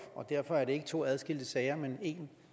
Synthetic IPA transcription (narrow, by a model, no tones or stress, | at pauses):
ɒ̽d̥æɐfɒ̽æɐɾee̝ɡ̥ət͡sʰo̝̰ːæð̞ˠsɡ̥el̰d̥əsɛɪɐmene̝ːn